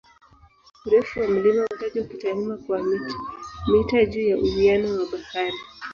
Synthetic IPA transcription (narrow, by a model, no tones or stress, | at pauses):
uɾɛfuwam̩limawataʄaukitalimakwamitḁmitaʄuːjaʔuhianɔwaɓahaɾi